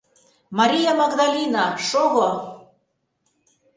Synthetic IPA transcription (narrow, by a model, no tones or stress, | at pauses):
mɑɾʲijɑmɑɣd̪ɑlʲinɑʃoɣo